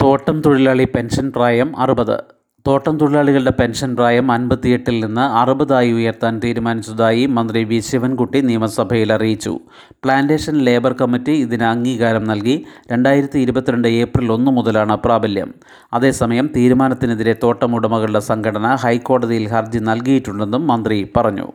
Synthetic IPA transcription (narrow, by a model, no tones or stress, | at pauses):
t̪o̞ːʈːɐmt̪uɽilaːɭipe̞nʂɐnpraːjɐmɐ̰rɨbɐðɨ̰ | t̪o̞ːʈːɐmt̪uɽilaːɭiɣɐɭɖe̞pe̞nʂɐnpraːjɐmɐnbɐt̪ːije̞ʈːilninːɨɐrɨbɐðaːjiujɐrt̪aːnt̪iːɾumaːnit͡ɕːuðaːjimɐnd̪riʋiɕjɐʋɐnkuʈːinijɐmɐsɐbʱɐjilɐrijit͡ɕːṵ | pɭaːnde̞ːʂɐnle̞ːbɐrkɐmːitːiiðinɐŋːiːkaːɾɐmnɐlkiɾe̞ɳɖaːjiɾɐt̪ːiːɾubɐt̪ːiɾeɳɖɨe̞ːprilo̞nːɨmuðɐlaːɳɨpraːbɐljɐ̰m | ɐðe̞ːsɐmɐjɐmt̪iːɾumaːnɐt̪ːineðiɾe̞t̪o̞ːʈːɐmuɽɐmɐɣɐɭɨɽe̞sɐŋɡʰʱɐɽɐnɐɦɐjkːo̞ːɽɐðijilhɐrd͡ʑinɐlkijiʈːuɭːe̞nːumːɐnd̪ripɐrɐɲːṵ